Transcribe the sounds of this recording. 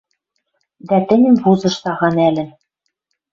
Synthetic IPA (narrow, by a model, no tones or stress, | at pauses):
d̪æt̪ɘ̆nʲɘ̆mbuzɤ̆ʃt̪ɑʁɑnælʲɘ̆n